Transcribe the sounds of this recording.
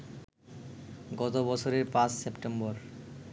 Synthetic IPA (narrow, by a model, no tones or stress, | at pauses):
ɡɔt̪obɔt͡ɕʰoɾeɾpãssepʈembɔɾ